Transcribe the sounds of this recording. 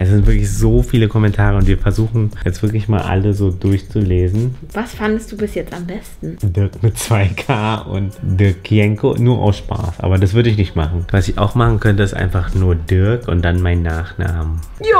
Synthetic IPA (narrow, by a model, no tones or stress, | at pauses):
ʔɛs̬zɪntv̥ɪɐklɪçz̥oːfiːləkʰɔmɛntʰaːʁ̞əʊntv̥iːɐfɛɐzuːxn̩jɛt͡stv̥ɪɐklɪçma̰ːlʔa̰ləzoːdʊɐçt͡suleːzn̩ | vasfandəstd̥uːbɪsjɛt͡stambɛstn̩dɪɐkmɪt̚t͡sv̥aɪkʰaːʔʊ̰ntd̥ɪɐkʰːjɛŋko̰nuːɐʔa̰ʊsʃpa̰ːsʔa̰ːbɐdas̬v̥ʏɐɾəɪç̬nɪçtmaχn̩vasɪça̰ʊxmaχn̩kʰœntəɪstʔa̰ɪnfaχnuːɐdɪɐkʊ̰nt̚d̥anmaɪnːaːχna̰ːmə | j